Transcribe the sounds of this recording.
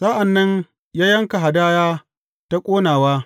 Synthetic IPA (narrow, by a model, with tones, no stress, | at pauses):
sa˦ʔa˨nːɐ˦ɲ | jaː˦jɐ˦ŋka˨ɦa˨daː˦jaː˦ | ta˦kʷʼoː˦naː˨waː˦